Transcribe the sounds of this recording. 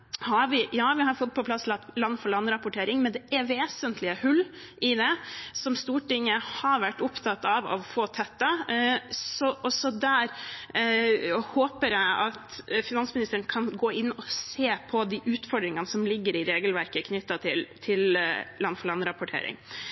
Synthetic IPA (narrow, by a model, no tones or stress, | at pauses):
hɑɾʋɪjɑːʋɪɦɑɾfɔt̪̚ːpʰɔplɑst̪lɑt̪lɑnːfɔɭɑnːɾɑpʊʈʰeːɾɪŋmɛnd̪ɛʔɛʋeːsənt̪ʰlɪəhʉlː | ʔɪd̪ɛsɔmst̪uːʈɪŋːəhɑɾʋæʈːʊpt̪ʰɑt̪ːɑʋɑ̰ʋfoːt̪ʰɛt̪ːɑ | sɔʔɔsɔd̪æɾ | hoːpəɾjæɪɑt̪fɪnɑnsmɪnɪst̪əɾəɳkʰɑnɡoːɪnːɔseːpʰɔd̪iʔʉːt̪fɔɖ̪ɾɪŋɑnəsɔmlɪɡːəɾɪɾeːɡəlʋæɾkəkʰnʏt̪ːɑt̪ʰɪlt̪ʰɪllɑnːfɔɭɑnːɾɑpʊʈʰḛːɾɪ̰ŋ